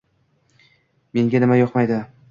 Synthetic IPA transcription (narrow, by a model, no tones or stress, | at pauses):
me̞ŋɡʲanɪmajɒqmajd̪ɪ